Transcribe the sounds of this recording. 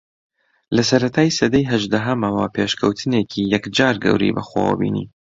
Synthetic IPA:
lɐsɐɾɐt̪ʰaːjsɐd̪ɐjɦɐʒd̪aɦɐmɐwapʰeːʃkʰɐwt̪ʰɨneːkʰiːjɛkd͡ʒaːɾɡɐ̰wɾḭbɐ̰xwa̰wə̰bḭːnḭː

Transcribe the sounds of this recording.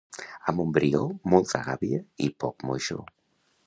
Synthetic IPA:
amumbɾiomolt̪a̰ɣaβiaipɔkmojʃo̰

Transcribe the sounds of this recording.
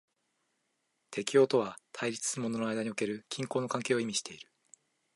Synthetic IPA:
t̪ʰe̞kʲijo̞ːt̪o̞βat̪ʰaiɾʲit͡sɨ̥sɨɯmo̞no̞noajd̪aɲio̞ke̞ɾɯ̟kʲĩŋkoːnokãŋke̞ːoimʲiɕi̥t̪e̞iɾɯ̟̥

